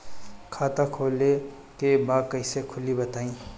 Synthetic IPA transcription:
kʰaːt̪akʰoːle | kebakəɪsekʰʊlibɐt̪aːĩː

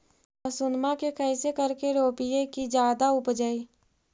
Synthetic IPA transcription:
əsʊnmakekʰəɪsekəɾkeɾoːpijekid͡ʒjaːd̪aʊpd͡ʒəiː

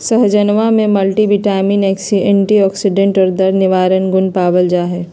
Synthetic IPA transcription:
sɐɦd͡ʒɐnʋamẽmɐlʈibɪʈaːminɛːksiẽɳʈiɔːksɪɖẽɳʈɔːɾd̪ɐɾnɪʋaːɾənɡʊnpaːʋəld͡ʒaːɦɛː

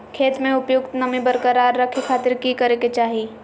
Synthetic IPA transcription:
kʰeːt̪mẽʊpjʊk̚t̪nɐmibəɾkəɾaːɾːɐkʰekʰaːt̪ɪɾkikəɾeket͡ʃaːɦiː

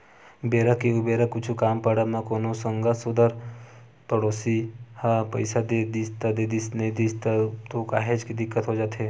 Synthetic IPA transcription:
beːɾəkːeʊbeːɾəkːʊt͡ʃʰukaːmpɐɽamãkoːnosə̃ŋɡasʊd̪əɾ | pɐɽoːsihãpə̰ɪsad̪ed̪ist̪ad̪ed̪isned̪ist̪t̪okaːɦed͡ʒkid̪ɪkːət̪ɦod͡ʒaːt̪ɦeː

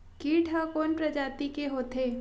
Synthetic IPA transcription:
kiːʈʰakoːnpɾɐd͡ʒaːt̪ikeɦoːt̪ʰeː

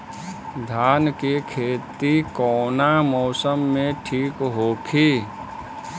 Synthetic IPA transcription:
d̪ʱaːnkekʰeːt̪ikɔːnamɔːsəmːẽʈʰiːkɦoːkʰi

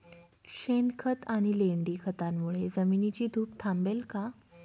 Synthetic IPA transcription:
ɕenkʰət̪aɽ̃ileɳɖiːkʰət̪amːuɭed͡zəminit͡ɕiːd̪ʱuːpt̪ʰãmbelka

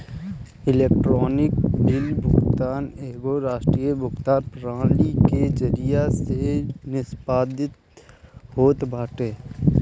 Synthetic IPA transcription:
ɪleːkʈɾɔːnɪkbɪlbʱʊkt̪aːneːɡoɾaːʃʈɾiːjebʱʊkt̪aːnpɾãːliked͡ʒəɾijasenɪsbaːd̪ʱɪt̪ | ɦoːt̪bʱaːʈeː

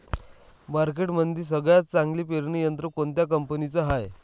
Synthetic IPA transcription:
baɾk̬eʈmənd̪iːs̬əɡɭjat͡st͡sãŋɡliːpeɾɳijənt̪ɾəkoɳt̪jakəmpənit͡səɦaj

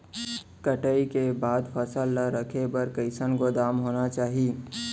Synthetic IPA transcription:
kəʈəikebaːd̪pʰəsəlːəɾəkʰebəɾkəɪsənɡod̪aːmɦoːnat͡ʃaːɦi

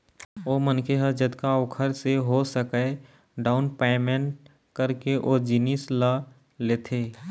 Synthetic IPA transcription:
oːmənkʰeɦəd͡ʒəd̪kaokʰəɾseɦosəkə | ɖaːʊnpeːmẽɳʈ | kəɾkeʔod͡ʒɪnislə | leːt̪ʰeː

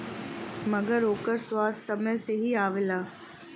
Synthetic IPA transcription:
mɐɡəɾɦoːkəɾswaːd̪sɐməjseɦiaːʋɪlaː

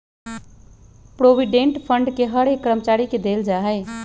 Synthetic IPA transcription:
pɾobiɖeɳʈpʰəɳɖkeɦəɽekːɾəmət͡ʃaɾiked̪eld͡ʒaɦəɪ

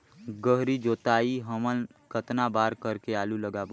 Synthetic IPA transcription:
ɡəɦɾid͡ʒoːt̪aːiɦəmənkət̪nabaːɾkəɾkeaːluləɡaːb

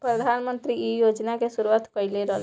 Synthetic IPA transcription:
pɾəd̪ʱaːnmə̃nt̪ɾiijoːd͡ʒnakesʊɾuʋaːt̪kəɪleɾəl

